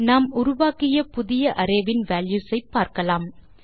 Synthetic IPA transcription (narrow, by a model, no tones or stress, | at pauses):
naːmʊɾʊʋaːkɪjɐpʊðɪjɐʔɐɾɐɪʋɪnʋaːljuːsɐɪpːaːɾkɐlaːm